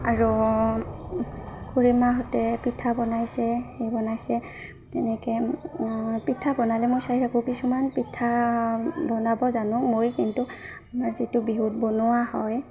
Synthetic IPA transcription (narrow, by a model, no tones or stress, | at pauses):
aɹɔ | kuɹimaɦɔtɛpitʰabɔnajsɛxejbɔnajsɛ | tɛnɛkɛ | pitʰabɔnalɛmojsaɦitʰakʊ̃kisumanpitʰa | bɔnabɔzanʊ̃mojkintu | maɹzitʊbiɦut̚bonʊwahɔj